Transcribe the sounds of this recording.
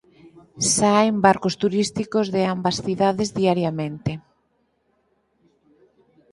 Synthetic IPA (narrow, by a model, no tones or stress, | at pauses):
sajmbaɾkost̪uɾist̪ikozðɪambɐsθiðaðezðiaɾjamẽnt̪e